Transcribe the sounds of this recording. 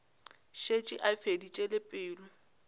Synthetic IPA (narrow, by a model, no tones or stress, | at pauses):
ʃet͡ʃʼɪʔafedit͡ʃʼelɪpʼɪːlʊ